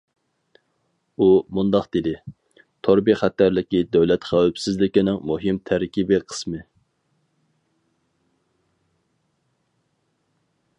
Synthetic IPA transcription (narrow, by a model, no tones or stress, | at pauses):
umund̪ɑχd̪̥ɪd̪ɪ | t̪ʰoɾbiχæt̪ːæɾlɪkʲid̪æwlɛt̪χæwɪpsɪzlɪkʲinɪŋmuɦɪmt̪ʰæɾkʲʰibɪqʰə̥smɨ